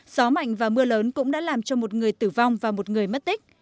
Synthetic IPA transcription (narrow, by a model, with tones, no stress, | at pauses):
z̥ɔ˨˦ma̰˧˨jŋ̟vaː˨˩mɨ˧ələː˨˦nkʊ̰˧˥ŋ͡mɗa̰ː˧˥laː˨˩mt͡ɕɔ˧mo˨˩t̚ŋɨ˨˩əjt̪ɨ˧˩va˧wŋ͡mvaː˨˩mo˨˩t̚ŋɨ˨˩əjmə˦˥t̚t̪ï˦˥k̟̚